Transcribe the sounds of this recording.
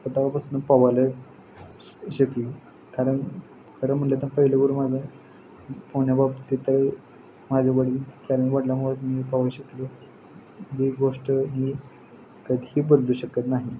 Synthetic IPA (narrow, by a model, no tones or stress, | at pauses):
pət̪aʋapəsunːəpaʋalə | ɕəkli | kaɾəɳ | kʰəɾəm̤əɳlet̪ənpəɦilaɡəɾumad͡zʱa | poɳjababt̪iːt̪əɾe | mad͡zʱaʋəɽit̪aɾniʋaɽljam̤oʋat̪mipaʋaɕəklə | ɦiɡoʂʈəmiː | kəd̪ʱiiːbəd̪luːɕəkət̪naɦi